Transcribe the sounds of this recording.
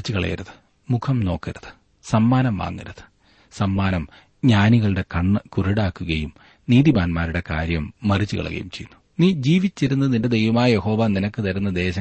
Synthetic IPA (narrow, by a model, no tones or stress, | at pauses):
it͡ɕːɨkɐɭɐ̰jɐ̰ɾɐðɨ̥ | mukʰɐmno̞ːkːɐɾɐðɨ̥ | sɐmːaːnɐmʋa̰ːŋːɐɾɐðɨ̥ | sɐmːaːnɐm | ɲaːniɣɐɭɨɽe̞kɐɳːkurɐɽaːkːuɣɐjum | niːðibaːnmaːɾuɽe̞ka̰ːɾjɐmːɐrit͡ɕːɨkɐ̰ɭɐ̰ɣɐ̰jumt͡ɕejṵnːu | niːd͡ʑiːʋit͡ɕːiɾunːɐninde̞d̪e̞jʋɐmaːjɐje̞ho̞ːʋaninɐkːɨt̪ɐɾunːɐd̪e̞ːɕɐ